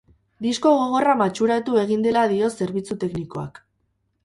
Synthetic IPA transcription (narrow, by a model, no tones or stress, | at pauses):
d̪isko̞ɣ̞o̞ɣ̞o̞ramat͡ʃuɾat̪ue̞ɣ̞ind̪e̞laðio̞se̞ɾβit͡sut̪e̞kniko̞a̰k